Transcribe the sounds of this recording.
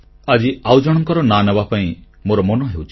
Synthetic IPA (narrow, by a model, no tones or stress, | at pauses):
ad͡ʒiawd͡ʒɔɽ̃ɔŋkɔɾɔnanebapaĩ | moɾɔmɔnɔɦewt͡ʃʰi̥